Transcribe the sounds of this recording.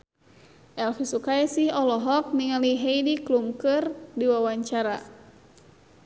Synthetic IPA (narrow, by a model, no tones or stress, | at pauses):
ʔɛlfisukaɛsihɔlɔɦɔk̚niŋaliɦejdiklumkɨrdiwawaɲt͡ʃaɾa